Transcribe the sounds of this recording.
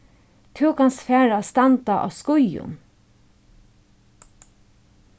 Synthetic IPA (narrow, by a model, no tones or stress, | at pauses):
t̪ʰʉːkɑnsfæːɹɑst̪ɑnt̪ɑʔo̰ːskʊjʊ̰n